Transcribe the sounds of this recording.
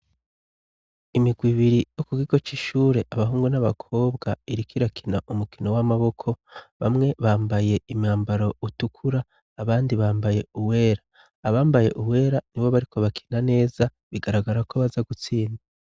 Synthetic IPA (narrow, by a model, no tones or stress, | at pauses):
imiɡwiβiɾijo̞kukiɡo̞t͡ʃiʃuːɾe̞ʔaβaɦuːŋɡunaβakʰo̞ːβɡaiɾikʰiɾakʰinaʔumukino̞wamaβo̞kʰo̞βa̰mŋe̞βaːmbaje̞imɲaːmbaɾo̞utukʰuɾaː | βaːndiβaːmbaje̞uwe̞ːɾaː | βaːmbaje̞̰ʔuwe̞ːɾaniβo̞βaɾikʰo̞βakʰi̥nane̞ːza | βiɡaɾaɡaɾakoβazaɡut͡siːna